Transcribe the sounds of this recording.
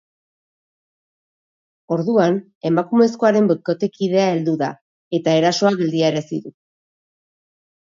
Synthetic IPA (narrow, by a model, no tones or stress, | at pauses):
o̞ɾðuan | e̞makume̞sko̞aɾe̞mboko̞t̪e̞kiðe̞ae̞ld̪uða̰ | e̞t̪ae̞ɾaso̞aɣe̞ld̪iaeɾesḭðu